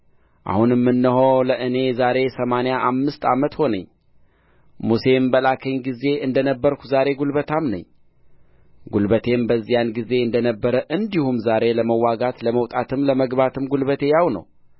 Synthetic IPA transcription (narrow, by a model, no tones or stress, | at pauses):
ʔa̰hunmːɨnːɨɦoləʔɨne̞zaɾe̞səmanejaʔamːɨst̪ʰa̰mət̪ho̞nə̰ɲː | muse̞mbəlakʰəɲɡize̞ɨnd̪ənəbːəɾkʰu̥zaɾe̞ɡulbət̪ʰamnə̰ɲː | ɡulbət̪ʰe̞mbəzːijanɡize̞ɨnd̪ənəbːəɾəʔɨnd̪ihumzaɾe̞ləməwːaɡat̪ləməwt̪ʼat̪ɨmləməɡβat̪ʰɨmɡulβət̪ʰe̞jawnə̰w